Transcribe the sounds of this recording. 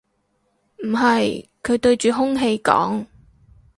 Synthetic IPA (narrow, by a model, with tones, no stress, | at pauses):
m̩˨˩ɦɐ˨jkʰɵ˨˧ɥt̪ɵ˧ɥt͡ʃyː˨ɦʊ˥ŋɦe˧jkɔ̰ː˨˥ŋ